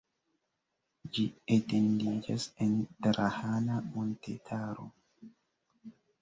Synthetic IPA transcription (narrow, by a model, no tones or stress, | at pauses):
d͡ʒietendid͡ʒasɛntɾʔahanamontetʰaɾo̰